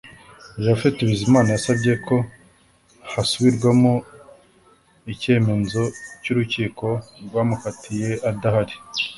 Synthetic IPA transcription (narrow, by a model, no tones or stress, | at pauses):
jafetiβizimaːnajasabɟe̞kʰo̞ | hasuβiɾɡwamo | ice̞ːme̞zo̞cuɾuciːko̞ɾɡwaːmukatʰije̞ʔadahaɾi